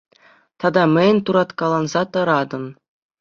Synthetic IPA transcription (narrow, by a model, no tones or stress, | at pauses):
t̪ɑd̪ɑmʲɘ̆jʲɘ̆nʲt̪uɾɑt̪kɑlˠɑnzɑt̪ɤ̆ɾɑd̪ɤ̆n